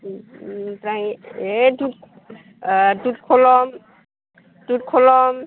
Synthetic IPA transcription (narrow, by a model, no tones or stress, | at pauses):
taiedut̚ | dut̚kʰolɔm | dut̚kʰolɔm